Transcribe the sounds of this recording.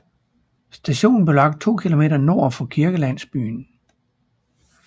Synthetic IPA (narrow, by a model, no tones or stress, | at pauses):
sd̥æɕo̝̰ːn̩ble̝lɑ̈ɡ̥̚d̥̚t͡sʰo̝̰ːkʰilo̝me̝̰ːd̥ɐno̝ɐ̰fɒ̽kʰiɐɡ̥əlæn̰sb̥y̰ːn